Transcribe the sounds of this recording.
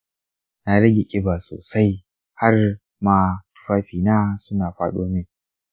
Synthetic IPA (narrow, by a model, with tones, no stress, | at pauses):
na˨ɽɐ˦ɡʲe˨kʲʼɪ˦ba˨so̰ː˨sa˦j | ha˦r | maː˦˨tʊ̥˨˦ɸaː˦ɸiː˨naː˦sʊ˦naː˨ɸaː˦ɗoː˦mɪ˦n